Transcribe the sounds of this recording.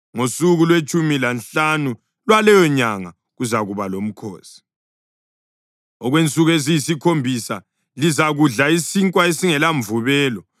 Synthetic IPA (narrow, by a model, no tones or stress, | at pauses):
ŋosuɣulwet͡ʃʼumilanɬanu | lwalɛjɔɲaŋa | ɣuzaɣuβalom̩kʰo̰ːsi̥ | ɔɣwent͡sʼuɣezijisikʰombʱisa | lizaɣuɮaisiŋkʼwaesiŋɛlaɱvuβɛːlɔ